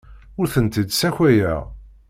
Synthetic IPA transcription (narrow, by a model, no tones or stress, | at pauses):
ʊɾθənt̪id̪sæçʷæjæ